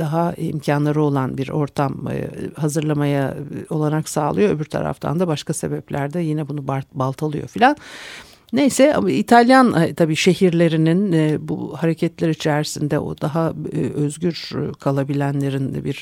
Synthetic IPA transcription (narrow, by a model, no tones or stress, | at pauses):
d̪aɦaḭmcʰanlˠaɾɯo̞lˠanbiɾo̞ɾt̪ʰam̰hazɯɾlˠamajao̞lˠaɾaksa̰ːlˠɯjo̞øbyɾt̪ʰa̰ɾa̰ft̪ʰa̰nd̪abaʃkase̞bɛplʲæɾd̪ɛjinɛbunubbalˠt̪ʰalˠɯjo̞̰filʲanː | ejsɛa̰it̪ʰalʲjant̪ʰabiːʃe̞ɦiɾlʲe̞ɾininbṵhaɾecʰɛt̪lʲe̞ɾit͡ʃʰɛæɾisind̪ɛʔo̞̰d̪aɦaøzɟyɾkʰalˠabilʲænlʲe̞ɾinbiɾ̥